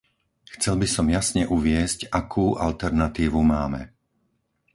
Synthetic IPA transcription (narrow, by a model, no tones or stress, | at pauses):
xt͡sɛlbisɔmjasɲɛʔuʋɪɛscakʰuːʔalt̪ɛɾnat̪iːʋumaːmɛ̰